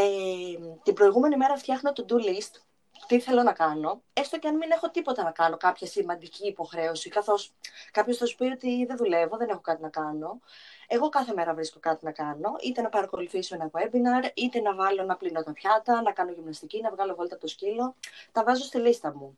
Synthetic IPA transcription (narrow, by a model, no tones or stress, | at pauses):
et̪ibɾo̞iɣume̞nime̞ɾɐft̪çɐxno̞t̪od̪ulist̪ | u̥t̪iθe̞lo̞nɐkɐno̞est̪oceɐnmine̞xo̞t̪ipo̞t̪ɐnɐkɐno̞kɐpçɐsimɐnd̪iciːpo̞xɾe̞osikɐθo̞skɐpço̞sθɐsu̥pio̞t̪iðeðule̞vo̞ðe̞ne̞xo̞kɐt̪inɐkɐno̞e̞ɣo̞kɐθe̞me̞ɾɐvɾisko̞kɐt̪inɐkɐno̞ʔit̪e̞nɐpɐɾɐko̞luθisoenɐɣwe̞binɐɾit̪e̞nɐvɐlo̞nɐplinot̪ɐpçɐt̪ɐnɐkɐnoʝimnɐst̪icinɐvɣɐlo̞ɣolit̪ɐpot̪oscilo̞t̪ɐvɐzo̞st̪ilist̪ɐmu